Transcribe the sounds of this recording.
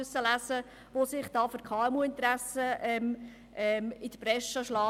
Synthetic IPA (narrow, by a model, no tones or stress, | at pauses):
øsːəlæsə | ʋosɪχd̥ɑːføɾkʰɑːɛmuːɪnt̪ɾæsəʔɛm | ʔɛmɪdəpɾɛʃəʃlɑː